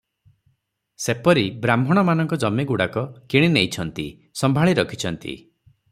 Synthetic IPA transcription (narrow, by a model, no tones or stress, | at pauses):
sepɔɾibɾambʱɔɽ̃ɔmanɔŋkɔd͡ʒɔmːeɡuɽakɔkiɽ̃inejt͡ʃʰɔnt̪i | sɔmbʱaɭiɾɔkʰi̥t͡ʃʰɔnt̪ḭ